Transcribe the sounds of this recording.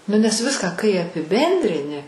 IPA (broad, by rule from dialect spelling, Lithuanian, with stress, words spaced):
ˈnʊ nʲɛs ˈʋʲɪskɑː kɐɪ ɐpʲɪˈbʲɛnʲdʲrʲɪnʲɪ